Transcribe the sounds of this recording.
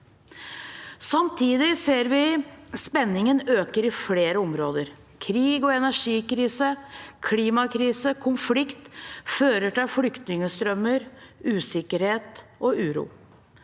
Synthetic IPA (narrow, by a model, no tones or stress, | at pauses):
sɑmt̪ʰiːd̪ɪseːɾʋɪspɛnːɪŋənøːkəɾɪfleːɾəɔmɾoːd̪əɾ | kʰɾiːɡɔɛnæʂiːkɾiːsəkʰliːmɑkʰɾiːsəkʰʊnflɪkt̪føːɾəʈɪlflʏkt̪nɪŋəst̪ɾœmːəɾʉːsɪkəɾheːt̪ʔɔʉːɾṵː